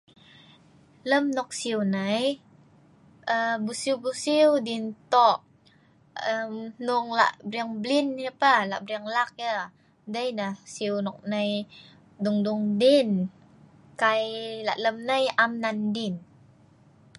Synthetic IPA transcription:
ləmnɔk̚siwnəj | ʔəbusiwbusiwdint̪ɔʔ | əmnuŋla̰ʔbɾiaŋblinjəpəla̰ʔbɾiaŋlak̚jə | dəjnəhsiwnɔk̚nəj | duŋduŋdin | kajla̰ʔləmnəjamnandin

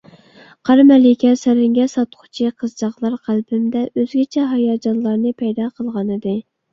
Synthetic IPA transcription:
qʰɑɾmɛlɪkʲɛsæɾɪŋɡʲɛsɑt̪qʰʊ̥t͡ʃʰiqʰəzd͡ʒɑχlˠɑɾqʰælpɪmd̪ɛʔøzɡʲɛt͡ʃʰɛɦɑjɑːd͡ʒɑnlˠɑɾnɨpʰɛjd̪ɑqʰəlˠʁɑnɨd̪ɨ

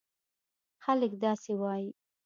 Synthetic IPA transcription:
xaləkd̪ɑsewɑji

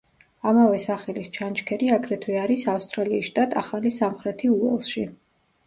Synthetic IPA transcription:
amavɛsaχɛlist͡ʃʰant͡ʃkʰɛɾiakʰɾɛt̪ʰwiaɾisafst̪ʼɾaliːsʃt̪ʼat̪ʼʰaχalisamχɾɛt̪ʰiuɛlˠʃi

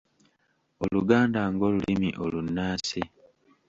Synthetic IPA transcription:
oluɡaːndaŋɡo̞ːlulʔimiʔolunːaːsi

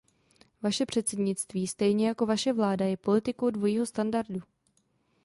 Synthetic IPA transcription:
vaʃɛpr̝̥ɛt̪sɛdɲɪt̪t͡st̪viːst̪ɛjɲɛjako̞vaʃɛvlaːdajɛpo̞lɪt̪ɪko̞wdvo̞jiːɦo̞st̪andaɾdu

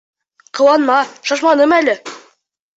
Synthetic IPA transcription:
qʰɤ̆wɑnmɑʃɑʃmɑnɤmælɘ

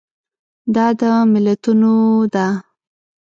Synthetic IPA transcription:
d̪ɑd̪əmɪlat̪unod̪a

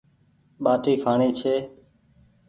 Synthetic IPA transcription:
ɓaːt̪iːkʰaːɳiːt͡ʃʰeː

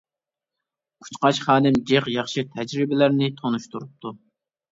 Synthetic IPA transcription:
kʰu̥t͡ʃqɑʃχɑːnɪmd͡ʒeqjɑχʃɨt̪ʰɛd͡ʒɾɪbɪlæɾnɪt̪ʰonuʃt̪uɾup̚t̪ʰu

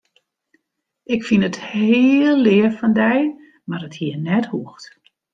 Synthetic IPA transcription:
ʔɪkfinəthɪlˠːɪəfɔndɛj | marəthiənɛthuəxt

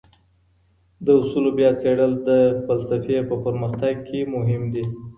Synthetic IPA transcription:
d̪əʊsulobjɑt͡seɽəld̪əfalsafepəpəɾməxt̪aɡ̚kʰemʊɦɪmd̪i

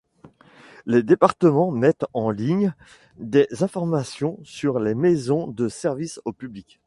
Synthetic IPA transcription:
led̪epaʁt̪əmɑ̃mɛt̪ɑ̃liɲ | d̪ezɛ̃fɔʁmasjɔ̃syʁlemezɔ̃d̪əsɛʁvisopyblikʲ

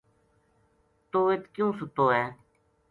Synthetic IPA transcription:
t̪oːɪt̪kjũːsʊt̪oːɛː

